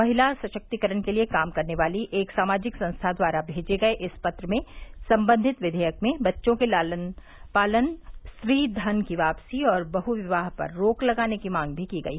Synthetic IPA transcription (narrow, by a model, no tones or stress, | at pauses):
mɐɦɪlaɾsɐʃək̚t̪ikəɾənkeliekaːmkɐɾneʋaːliʔeːksaːmaːd͡ʒɪksɐ̃nst̪ʰad̪waːɾabʱeːd͡ʒeɡɐeʔɪspɐt̪ɾəmẽsɐ̃mbə̃nd̪ʱɪt̪ʋɪd̪ʱəjəkmẽbɐtːʃõkelaən | paːlənsɾiːd̪ʱɐnkiʋaːpsiɔːɾbɐɦuʋɪʋaːɦpɐ̰ɾːoːklɐɡaːnekimãːŋɡ̚bʱikiɡɐ̰iː